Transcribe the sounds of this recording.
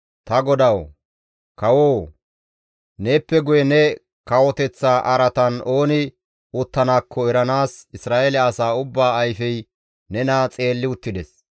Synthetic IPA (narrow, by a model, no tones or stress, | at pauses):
t̪ɐɡɔd̪ɐw | kɐwoː | neːpːɛɡʊjɛnɛ | kɐwɔt̪ɛt͡sːaːʔɐɾɐt̪ɐno̞ːnɪ | ʊt̪ːɐnaːkʰːɔɛɾɐnaːsɪsɾaːʔelɛɐsaːʊbːaːɐjfɛj | nɛnat͡sʼe̞ːlːɪʊt̪ːɪd̪ɛs